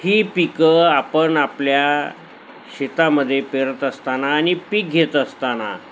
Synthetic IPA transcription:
hiːpikəapəɳaplja | ɕet̪aməd̪ʱːjepeɾət̪əst̪anaːnipik̚ɡʱet̪əst̪ana̰

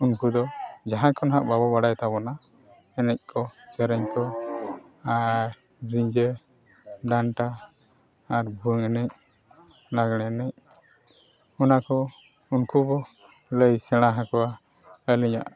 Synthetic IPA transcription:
unkud̪ɔd͡ʒaɦãkɔnɦaʔbabɔbaɽajt̪abɔna | ɛnɛc̚ˀkʰɔsəɾɛɲkɔ | a | ɾiɲd͡ʒə | ɖaɳʈaː | ɾbʱuŋɛnɛc̚ | laɡɽ̃ɛnɛc̚ | ɔnakɔ | unkubɔ | ləjsɛɽ̃ãɦãkɔwa | əliɲa̰ʔ

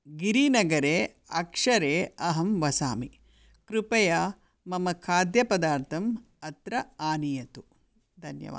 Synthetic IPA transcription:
ɡiɾiːnɐɡɐɾeː | ɐ̰kʂɐɾeːɐɦɐmʋɐsa̰ːmi | kɾupɐja | mɐmɐkʰaːd̪jɐpɐd̪aːɾt̪ʰɐm | ɐt̪ɾɐaːnijɐt̪u | d̪ʱɐnjɐ̰ʋa̰ː

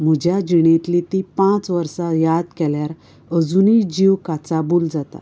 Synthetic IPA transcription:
m̤əd͡ʑʱjad͡ʑiɽ̃ẽt̪lit̪ipãt͡sʋəɾsajad̪̚kɛljaɾ | əd͡zunid͡ʑiʋkat͡sabuld͡zat̪a̰

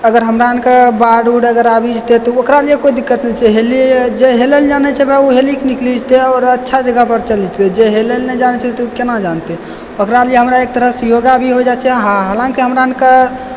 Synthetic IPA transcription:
əɡəɾɦəmɾaənkabaɖuɽəɡəɾabʱid͡ʒt̪et̪ɔokɾalijekoid̪ikːət̪nɛt͡ʃʰɛɦelid͡ʒeɦeleld͡ʒanɛt͡ʃʰɛbɛuɦelikniklid͡ʒt̪eɔːɾətːʃʰad͡ʒəɡəpəɾt͡ʃəlid͡ʒt̪ed͡ʒeɦelelnɛd͡ʒanɛt͡ʃʰɛt̪ɔukenad͡ʒant̪e | okɾalijeɦəmɾaek̚t̪əɾəsjoɡabʱiɦod͡ʒat͡ʃʰɛɦãɦalãŋkiɦəmɾaənka

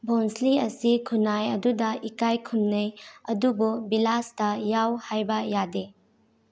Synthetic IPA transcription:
bʱɔnsliɐsikʰunajɐdudɐʔikajkʰumnɐjɐdububilastɐjawhajbɐjade

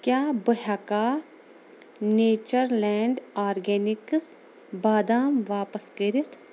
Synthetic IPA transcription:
kjaːbəɦakaː | neːt͡ʃəɾlɛːɳɖaːɾɡɛːnɪks | baːd̪aːmʋaːpəskɐɾit̪ʰ

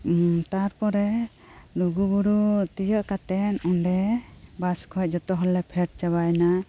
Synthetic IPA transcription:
t̪aɾpɔɾɛ | luɡubuɾut̪ijəʔkat̪ɛnɔɳɖɛbaskʰɔc̚d͡ʒɔt̪ɔɦɔlɛpʰɛʈ̚t͡ʃabajna

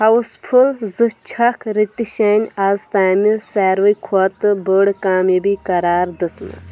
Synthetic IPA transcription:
hɐwuspʰulzɨt͡ʃʰɐkʰɾit̪iʃɐːnʲazt̪aːmisaːɾʋɐkʰɔt̪ɨbəɽkaːmibikɐɾaːɾd̪ɨsmɐ̰t͡s

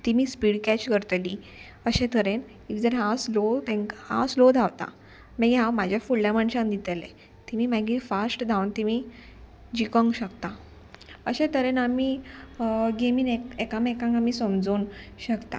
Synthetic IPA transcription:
t̪imiːspiɽkɛt͡ɕkəɾt̪li | əɕɛ̃t̪ʰəɾen | id͡zəɾɦãslot̪ẽŋkhã̰slod̪ʱaʋt̪a̰ | mɛ̃ɡɦãwmad͡ʑʱjafuɭljaməɳɕãnd̪it̪ele | t̪imiːmaɡifasʈd̪ʱawnt̪imi | d͡ʑikəŋɡɕəkt̪a | əɕẽt̪ʰəɾenamiː | ɡemiːnekekãmekãŋɡamiːsəmd͡zoːnɕəkt̪a̰

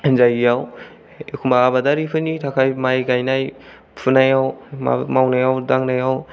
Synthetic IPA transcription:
zajijaw | kʰumbaːbadaɾipʰɯnitʰakʰajmajɡajnaj | pʰunajawma̰mawnajawdaŋnajaw

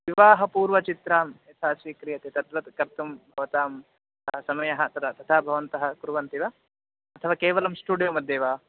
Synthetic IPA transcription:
ʋiʋaːɦɐpuːɾʋɐt͡ʃit̪ɾaːmɐt̪ʰaːsʋiːkɾijɐt̪et̪ɐt̪ʋɐt̪kɐɾt̪umbʱɐʋɐt̪aːm | ɐsɐmɐjɐɦɐt̪ɐt̪ːt̪ɐt̪ʰaːbʱɐʋɐnt̪ɐɦɐ̆kuɾuʋɐnt̪iʋɐ | ɐt̪ʰɐʋaːkeːʋɐlɐmsʈuːɖijoːmɐd̪eːʋaː

